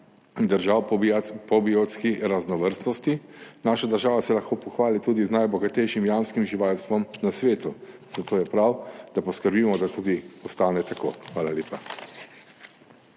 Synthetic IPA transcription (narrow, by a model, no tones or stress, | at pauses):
d̪əɾʒawpɔbiot̪skiɾaznɔʋəɾst̪nɔst̪inaːʃad̪əɾʒaːʋasɛlaxkoːpɔxʋaːlit̪uːd̪iznajbɔɡat̪ɛjʃimjanskimʒiʋaːlst̪ʋɔmnasʋeːt̪u | z̥at̪oːjɛpɾawd̪apɔskəɾbiːmɔd̪at̪uːd̪iɔst̪aːnɛt̪ako̰ːxʋaːlaljeːpa